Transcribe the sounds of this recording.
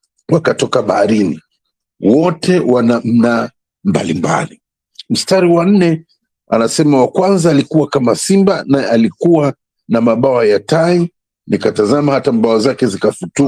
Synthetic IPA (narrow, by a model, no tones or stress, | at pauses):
wakatɔkaɓahaɾinḭ | wɔtʰɛwanam̩na | mba̰limba̰li | m̩staɾiwan̩nɛ | a̰nasɛmawakwanzaːlikuwakamasimbanajɛalikuwa | namaɓawajatai | nikatazamahatamɓawazakɛzikafutu